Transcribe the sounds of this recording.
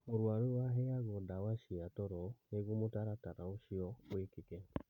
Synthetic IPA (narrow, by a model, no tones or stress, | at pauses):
oɾwaɾuwaɦɛaɣɔdawaʃiatɔɾɔneɣumotaɾataɾaoʃiɔwekekɛ